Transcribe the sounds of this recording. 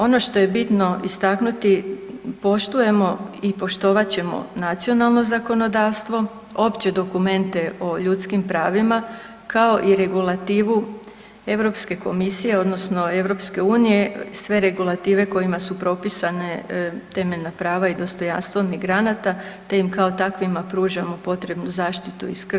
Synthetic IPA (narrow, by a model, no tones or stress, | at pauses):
o̞no̞ʃt̪o̞je̞bit̪no̞ist̪aknut̪ipo̞ʃt̪uje̞mo̞ipo̞ʃt̪o̞ʋat͡ɕe̞mo̞̰nat̪sio̞nalˠno̞zako̞no̞d̪aːʋst̪ʋo̞ | o̞pt͡ɕe̞d̪o̞kume̞nt̪e̞o̞ʎut̪skimpɾaːʋima | kao̞ʔiɾe̞ɡulˠat̪iːʋu | e̞ʋɾo̞pske̞ko̞misije̞o̞d̪no̞sno̞e̞ʋɾo̞pske̞uːnije̞sʋe̞ɾe̞ɡulˠat̪iːʋe̞ko̞jimasupɾo̞pisane̞t̪e̞me̞ʎnapɾaːʋaid̪o̞st̪o̞ja̰nst̪ʋo̞miɡɾanat̪at̪e̞jimkao̞t̪akʋimapɾuːʒamopo̞t̪ɾe̞bnuzaːʃt̪it̪ṵiskr